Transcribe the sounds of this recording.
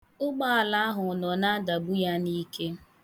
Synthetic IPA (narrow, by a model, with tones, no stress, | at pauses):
ʊ˦ɡ͡ba˦a˨la˨˦ɦʊ˨nɔ˨na˦a˦da˨bu˦ja˦ni˦ke˦